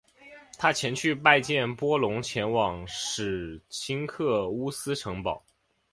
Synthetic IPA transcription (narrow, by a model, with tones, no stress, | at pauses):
t̪ʰa˥t͡ɕʰjɛ˧˥nt͡ɕʰy˥˧p̬a˥˧ɪt͡ɕjɛ˥˩npwɔ˥lʊ˧˥ŋt͡ɕʰjɛ˧˥nwɑ˨˩ŋʂɻ̩˨˩t͡ɕʰi˥ŋkʰɤ˥˩u˥sɹ̩˥ʈ͡ʂʰɤ˧˥ŋpɑ˨˩˦ʊ